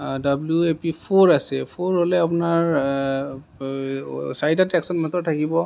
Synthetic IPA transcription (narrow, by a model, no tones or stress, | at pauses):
dabluepipʰoɹasɛpʰoɹɦolɛapunaɹ | sajtatɛksɔnmatɔtʰakibɔ